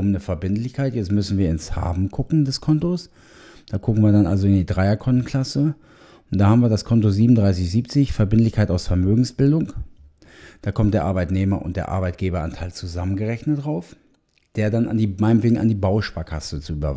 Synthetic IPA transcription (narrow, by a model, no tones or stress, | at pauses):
mnəfɛɐbɪntlɪçkʰaɪtjɛt͡stmʏsn̩viːɐɪnsha̰ːbm̩ɡʰʊkŋ̩dɛskʰɔntos | d̥aːɡʰʊkŋ̩viːɐdanʔalzoɪndiːdʁaɪɐkʰɔnn̩kʰl̥asə | ʔʊntd̥aːhaːmviɐdaskʰɔntoziːbmn̩dʁaɪs̬ɪçz̥iːp̚t͡sɪçfɛɐbɪntlɪçkʰaɪtaʊsfɛɐmøːɡŋ̩sb̥ɪldʊŋ | d̥aːkʰɔmt̚d̥eːɐʔaɐbaɪtneːmɐ̰ʔʊ̰nt̚d̥eːɐʔa̰ɐbaɪt̚ɡ̥eːbɐa̰ntʰaɪlt͡suzamənɡəʁɛçnətd̥ʁaʊf | d̥eːɐdana̰ndiːmaɪnəmveːɡŋ̩a̰ndiːbaʊʃpaːkʰasət͡suyːbɐ̰